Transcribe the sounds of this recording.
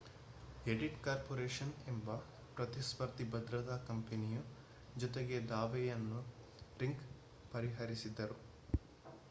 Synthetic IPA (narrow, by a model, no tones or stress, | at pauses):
eɖiʈkaːɾpoːɾeːʂɐnembɐ | pɾɐt̪isʋɐɾt̪ibɐd̪ɾɐt̪aːkɐmpeniju | d͡ʒɔt̪eɡe̞d̪aːʋɛjɐnːu | ɾiŋk | pɐɾiɦɐɾisid̪ːɐɾu